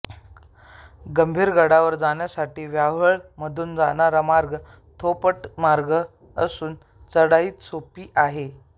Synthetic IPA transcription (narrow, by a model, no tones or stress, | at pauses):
ɡəmbʱiːɾɡʱəɽaʋəɾd͡zaɳjasaʈiːʋjaʋəɭməd̪ʱuːnd͡zanaɾamaɾɡ | t̪ʰopəʈmaɾɡə | əsuːn | t͡səɽaiːt̪sopiːʔaɦe